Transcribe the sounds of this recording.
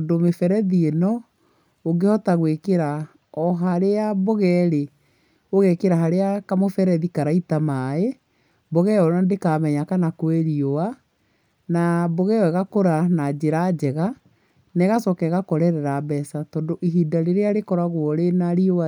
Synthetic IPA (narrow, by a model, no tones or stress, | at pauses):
domefɛɾɛðienɔ | oɡehɔtaɣwekeɾa | ɔɦaɾeaboɣɛːɾe | oɣɛkeɾaɦaɾeakamofɛɾɛðikaɾaitamae | boɣɛɔnandekaːmɛɲakanakweɾiowa | naboɣɛwɛɣakoɾanad͡ʑeɾad͡ʑɛɣa | nɛɣasɔkɛɣakɔɾɛɾɛɾabɛsatɔːndoʔiɦidaɾeɾeaɾekɔɾaɣwɔɾenaɾioa